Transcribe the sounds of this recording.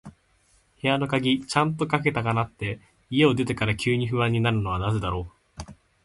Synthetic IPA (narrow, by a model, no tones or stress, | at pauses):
he̞jano̞kaɡʲit͡ɕãnt̪o̞kak̬e̞t̪akanat̪ːe̞ | ie̞o̞d̪e̞t̪̬e̞kaɾakʲɨːɲ̟iɸɯ̟βãɲ̟ːinaɾɯ̟no̞βanaze̞d̪aɾo̞ː